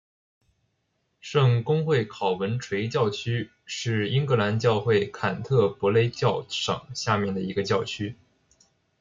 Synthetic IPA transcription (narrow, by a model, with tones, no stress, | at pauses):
ʂɤ˥˧ŋkʊ˥ŋxwe˥˩ɪkʰɑ˨˩ʊwə˧˥nʈ͡ʂʰwe˧˥ɪt͡ɕjɑ˥˩ʊt͡ɕʰy˥ | ʂɻ̩˥˩˧i˥ŋkɤ˧˥la˧˥nt͡ɕjɑ˥˧ʊxwe˥˩ɪkʰa˨˩nt̪ʰɤ˥˩pwɔ˧˥le˧˥ɪt͡ɕjɑ˥˩ʊʂɑ̰˨˩˦ŋɕja˥˧mjɛ˥˩nd̪ə˩i˧˥ɡə˧t͡ɕjɑ˥˩ʊt͡ɕʰy˥